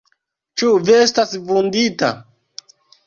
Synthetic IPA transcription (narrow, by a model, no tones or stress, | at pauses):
t͡ʃuviestasvundita̰